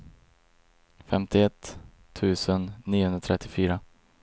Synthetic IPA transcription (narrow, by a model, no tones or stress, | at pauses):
fɛmt̪ɪɛt̪ʰː | ʉ̟ːsənːiːʊhɵnɾat̪ʰɾɛt̪ːɪfyːɾa